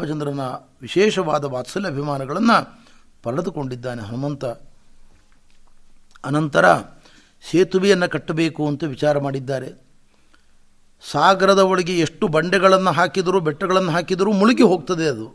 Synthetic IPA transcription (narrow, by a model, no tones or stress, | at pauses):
mɐt͡ʃɐnd̪ɾɐnɐʋiʃɛːʃɐʋaːd̪ɐʋaːt̪sɐliɐbʱimaːnɐɡɐɭɐnːɐ | pɐɾɐɽɐd̪uko̞ɳɖid̪ːaːneɦɐnɐmɐnt̪ɐ | ɐnɐnt̪ɐɾɐ̰ | ʃeːt̪uʋijɐnːɐkɐʈːɐbe̞ːkuɐnt̪ɐʋit͡ʃaːɾɐmaːɽid̪ːaːɾe̞̰ | saːɡɾɐd̪ɐoɭiɡeeʂʈubɐɳɖɛɡɐɭɐnːɐɦaːkid̪ɐɾuːbɛʈːɐɡɐɭɐnːɐɦaːkid̪ɐɾuːmuɭuɡeɦoːɡ̚t̪ɐd̪eɐd̪u